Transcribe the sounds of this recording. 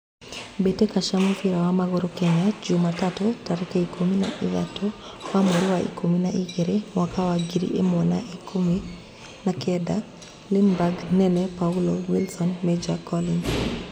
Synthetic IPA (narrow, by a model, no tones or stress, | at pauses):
betekaʃamofiɾawamaɡɔɾɔkɛɲad͡ʒumatatɔtaɾɛkeikʰomina̰iða̰tɔ | wamoɾiwaʔḭkʰominaʔiɡeɾemwakawaɡiɾḭʔemɔnaikʰomi | nakɛda | linbaɡnɛnɛpaulowilsɔnmed͡ʒakɔlin